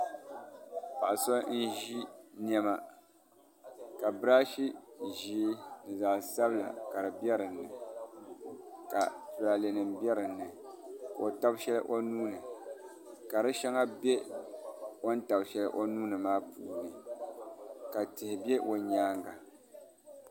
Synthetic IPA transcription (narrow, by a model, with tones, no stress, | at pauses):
pa˨ʔso˦n̩˦ʒi˦njɛ˦ma˨ | ka˨bɾa˦ʃi˦ʒiː˦nɨ˨za˨sa˦bɨ˦la̰˨ka˨ɾɨ˨bjɛ˦ɾɨ˨nːɨ˨ | ka̰˨tu˨la˨le˨nɨ˨mbjɛ˦ɾɨ˨nːɨ˨ | o˨ta˦bʃɛ˦lɨ̰˦ʔo˦nuː˦nɨ˨ | ka˨ɾɨ˦ʃɛ˦ŋa˦be˦ | wo˦n̩˦ta˨bʃɛ˦lɨ˦ʔo˦nuː˦nɨ˨maː˦pṵː˨nɨ˨ | ka˨tɪ˨hɪ˨be˦ʔo˨ɲaː˦ŋɡa˨